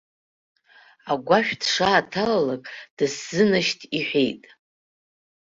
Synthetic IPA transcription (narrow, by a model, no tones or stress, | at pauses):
aɡʷaʃᶣdʂaːtʰalalakʼd̥ɨszɨnɨʃtʰiħʷᶣejtʼ